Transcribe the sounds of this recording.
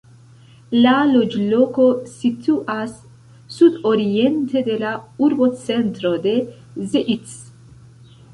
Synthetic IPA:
lalod͡ʒlokosit̪uʔasː | ud̪oɾiɛnt̪ed̪elauɾbott͡sent̪ɾod̪e | zeʔit̪s

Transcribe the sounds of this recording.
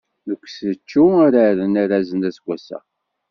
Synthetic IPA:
ðəkʷːsət͡ʃːuaɾaɾənæɾæzənæsɡʷːæsæ̰

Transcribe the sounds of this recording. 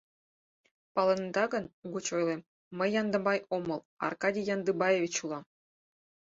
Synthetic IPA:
pɑlˠɤ̆nd̪ɑɡɤ̆nuɡut͡ɕojlʲˠem | mə̆jːɑnd̪ɤ̆mɑjomɤ̆lˠɑ̰rkɑdʲijɑnd̪ɯbɑjevʲit͡ɕulˠɑ

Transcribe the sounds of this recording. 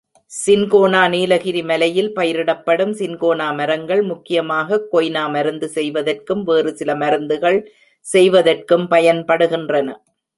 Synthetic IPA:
sɪnkoːnaːniːlɐɣɪɾimɐlɐjɪlpɐjɪɾɪɽɐpːɐɽɯmsɪnkoːnaːmɐɾɐŋɡɐɭmʊkːɪjɐmaːɣɐkːɔjnaːmɐɾɯnd̪ɯsɛjʋɐðɐrkɯmʋeːrɯsɪlɐmɐɾɯnd̪ɯɣɐɭ | sɛjʋɐðɐrkɯmpɐjɐnpɐɽɯɣɪndrɐnɐ

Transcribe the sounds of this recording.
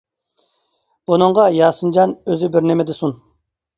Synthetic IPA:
bunɨɴʁɑjɑːsɨnd͡ʒɑnøzɪbɪɾnemɛd̪ɪsun

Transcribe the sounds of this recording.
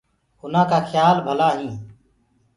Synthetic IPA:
ʊnãːkaːxʰjaːlbʱəlaːɦĩː

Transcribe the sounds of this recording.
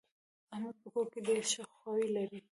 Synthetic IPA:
amupəkoked̪eɾʃaxwɑwilaɾi

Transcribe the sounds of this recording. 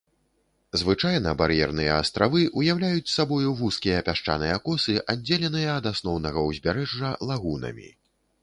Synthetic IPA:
zvɨt͡ʂajn̪ɐbaɾjɛrnɨjɐ̰ːst̪ɾavɨʔujawlʲajut͡sʲsabɔjuvuskʲijɐpʲaʂt͡ʂa̰nɨjɐkɔsɨʔadd͡zʲːelʲɛnɨjɐːd̪asnɔwn̪ɐɣɐwzʲbʲaɾɛʐːɐlˠaɣunɐ̰mʲḭ

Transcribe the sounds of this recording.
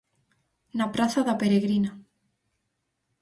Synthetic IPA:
napɾaθaðapeɾeɣɾina

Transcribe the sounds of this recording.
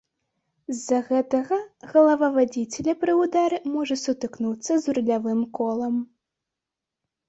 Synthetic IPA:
zːɐɣɛt̪ɐɣɐɣɐlˠɐvɐvad͡zʲit͡sʲɛlʲɐpɾɨwd̪aɾɨmɔʐɐsut̪ɨknut̪sːɐzrulʲavɨmkɔlˠɐm

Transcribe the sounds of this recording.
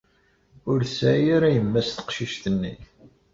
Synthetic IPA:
ʊɾsæjaɾæjəmːæst̪ə̥qʃiʃt̪ənːi

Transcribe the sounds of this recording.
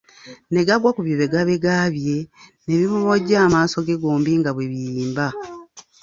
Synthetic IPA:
ne̞ɡaɡwakuβjoβe̞ɡaβeɡaβje̞ne̞βiβuβoɟaːmaːso̞ɡeɡoːmbiŋɡaβweβijiːmba

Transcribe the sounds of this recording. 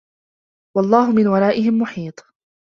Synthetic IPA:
wɑlˤːɑːɦʊmɪnwɑɾˤɑːʔɪɦɪmːʊħiːt̪ˤ

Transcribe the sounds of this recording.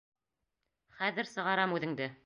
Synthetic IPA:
χæðɘ̆ɾsɤ̆ʁɑɾɑmʉðɘ̆ŋd̪ɘ

